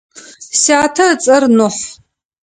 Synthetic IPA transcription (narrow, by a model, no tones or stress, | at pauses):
saːtʰɐt͡sʼɐrnʊħ